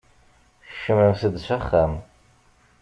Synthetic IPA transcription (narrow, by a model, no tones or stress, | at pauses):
ʃɪmɨmsɨdʃʷaχam